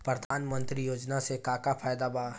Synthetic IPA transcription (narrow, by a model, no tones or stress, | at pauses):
pɾəd̪ʱaːnmə̃nt̪ɾijoːd͡ʒnasekaːkapʰaːjd̪aba